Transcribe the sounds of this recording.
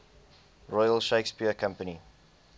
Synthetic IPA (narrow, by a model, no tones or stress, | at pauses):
ɹɔjəlʃeɪkspiəkʰʌ̃mpəni